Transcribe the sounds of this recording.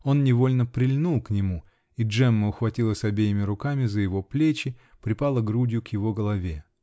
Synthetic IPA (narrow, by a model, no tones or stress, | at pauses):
o̞nnʲɪvo̞lʲnəpɾʲɪlʲnulˠknʲɪmu | iʐɛmːəʊxvɐtʲilˠəsʲɐbʲejɪmʲɪɾʊkamʲɪzəjɪvo̞plʲet͡ɕɪ | pɾʲɪpalˠəɡɾudʲɪjʊkjɪvo̞ɡəlˠɐvʲe